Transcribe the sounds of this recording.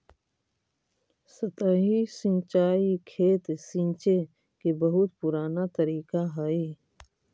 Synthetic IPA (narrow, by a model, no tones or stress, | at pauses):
sət̪əːɦisɪ̃nt͡ʃaːikʰeːt̪sĩnt͡ʃe | kebəɦʊt̪pʊɾaːnat̪əɾiːkaɦae